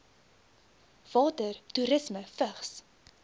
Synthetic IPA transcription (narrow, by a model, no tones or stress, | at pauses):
v̥ɑːtərtuɾəsməfəχs